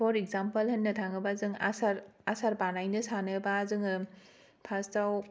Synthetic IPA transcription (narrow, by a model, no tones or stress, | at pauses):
pʰɔɾekzampɐlhɐnːɐtʰaŋɯbazɯŋa̰saɾasaɾbanajnɯsanɯbaːzɯŋɯ | pʰastaw